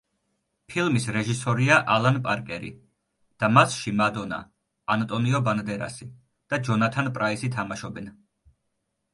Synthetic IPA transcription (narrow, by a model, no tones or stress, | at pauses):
pʰilˠmisɾɛʒisɔɾiaʔalˠanpʼaɾkʼɛɾḭ | d̪̥amasʃimad̪ɔna̰ː | nt̪ʼɔniɔband̪ɛɾa̰si | d̪̥ad͡ʒɔnat̪ʰanpʼɾaisit̪ʰamaʃɔbɛn